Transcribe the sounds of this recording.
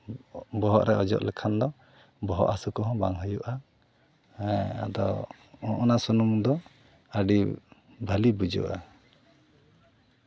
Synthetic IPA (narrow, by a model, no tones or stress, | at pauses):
bɔɦɔʔɾɛʔɔd͡ʒɔ̰ʔlɛkʰand̪ɔ | bɔɦɔʔasukɔɦɔ̃baŋɦəjuʔa | a̰d̪ɔ | ɔʔɔnasunumd̪ɔ | əɖi | bʱəlibud͡ʒṵʔa